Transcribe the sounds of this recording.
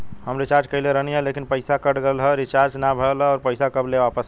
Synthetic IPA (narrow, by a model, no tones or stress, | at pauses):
həmɾit͡ʃaɾd͡ʒkəɪleɾəniɦɛ̃lekinpəɪsakəʈɡelɦɛɾit͡ʃaɾd͡ʒnabʱəlɔːɾpəɪsakəbleʋapəs